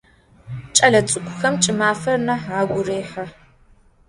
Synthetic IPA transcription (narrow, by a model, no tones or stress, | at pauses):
t͡ʃʼɐɮɐt͡sʼɨkʷʰʼʊxɐmt͡ʃʼɪmaːfɐrnɐħaːɡʷʊreːħɐ